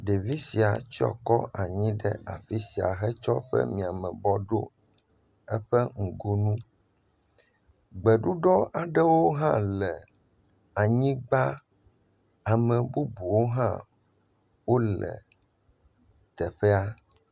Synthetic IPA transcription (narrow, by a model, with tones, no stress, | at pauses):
ɖe˨vi˦si˨a̰˨t͡ɕi˦ɔ̰˨kɔ˦a˨ɲĩ˦ɖɛ̰˦a̰˨fi˦si˨a̰˨ɦɛ˦t͡ʃɔ˦ɸɛ̰˦mĩ˨a˨mɛ̃˨bɔ˦ɖo̰˦ | ɛ˦ɸɛ˦ŋ̩˨ɡo˦nũ˦ | ɡ͡bɛ˨ɖu˦ɖɔ˦ʔa˨ɖɛ˦wo˦ɦã˦lɛ˨ | a˨ɲĩ˦ɡ͡ba˦ | a˨mɛ̃˨bu˦bu˨wo˦ɦã̰˦ | wo˦lɛ̰˨ | t̪ɛ˨ɸɛ˦a˦